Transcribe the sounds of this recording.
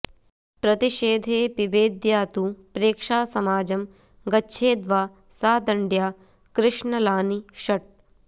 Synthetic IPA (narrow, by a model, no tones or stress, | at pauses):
pɾɐt̪iʃeːd̪ʱeːpibeːd̪jaːt̪upɾeːkʂaːsɐmaːd͡ʒɐm | ɡɐtːʃʰeːd̪ʋaː | saːd̪ɐɳɖjaː | kɾɪʂɳɐlaːniʃɐʈ̚